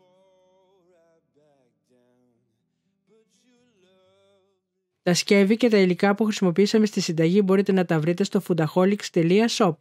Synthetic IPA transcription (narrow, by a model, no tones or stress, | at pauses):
t̪ɐsce̞vice̞t̪ɐilikɐpuxɾisimo̞piisɐme̞st̪isind̪ɐʝibo̞ɾit̪e̞nɐt̪ɐvɾit̪e̞st̪o̞fund̪ɐxo̞likst̪e̞liɐso̞p